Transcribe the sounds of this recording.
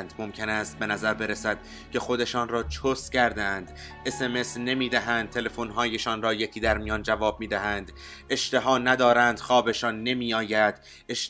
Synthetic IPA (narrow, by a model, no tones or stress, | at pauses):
nd̪mo̞mcʰe̞næːst̪̚be̞næzæɾbe̞ɾesæd̪̥̚ | cʰe̞xo̞d̪e̞ʃɒːnrɒːt͡ʃʰoscʰæɾd̪eænd̪ | e̞se̞me̞sne̞miːd̪æɦænd̪̚t̪ʰe̞le̞fonɦɒːje̞ʃɒːnrɒːje̞cʰiːd̪æɾmijɒːnd͡ʒævɒːb̥̚miːd̪æɦænd̪ | e̞ʃt̪e̞ɦɒːnæd̪ɒːɾænd̪̥xɒːbe̞ʃɒːnːe̞miːɒːjæd̪̥ | eʃ